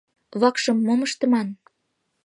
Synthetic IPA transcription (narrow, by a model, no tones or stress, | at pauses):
βɑkʃɤ̆mːoməʃt̪ə̆mɑn